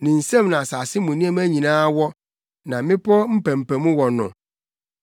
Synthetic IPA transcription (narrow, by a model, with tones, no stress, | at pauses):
nɪ̃˨n̩˨sɛ̃˦mnã˨sa˨sɪ˦mũ˨nĩ˦ɛ˦m˦æ˦ɲĩ˨nãː˦wɔ˦ | nã˨mɪ̃˦pʰɔ˦m̩˦pæ̃˨m̩˨pæ˨mũ˦wɔ˨nʊ̰̃˨